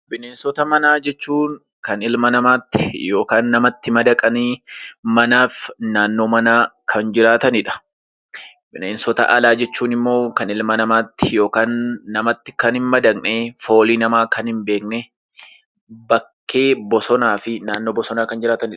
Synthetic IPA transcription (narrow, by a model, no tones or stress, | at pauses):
bɪneːnsɔt̪ɐmɐnaːd͡ʒɛt͡ʃːuːn | kɐnɪlmɐnɐmaːt̪ːɪ̥jo̞ːkaːnːɐmɐt̪ːɪmɐd̪ɐkʼɐniːmɐnaːfnaːnːo̞ːmɐnaːkʰɐnd͡ʒɪɾaːt̪ɐnɪᶑɐ̥ | bɪneːnsɔt̪ɐ̰ʔɐlaːd͡ʒɛt͡ʃːuːnɪmːo̞ːkɐnɪlmɐnɐmaːt̪ːɪ̥jo̞ːkaːnːɐmɐt̪ːɪ̥kɐnɪnmɐd̪ɐkneːfo̞ːliːnɐmaːkɐnhɪmbe̞ːknɛ | bɐkːe̞ːbɔsɔnaːfɪnaːnːo̞ːbɔsɔnaːkɐnd͡ʒɪɾaːt̪ɐnɪᶑɐ